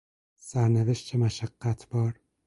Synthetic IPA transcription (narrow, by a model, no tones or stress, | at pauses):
sæɾneveʃt̪t͡ʃʰemæʃæɡːæt̪ʰb̥ɒːɾ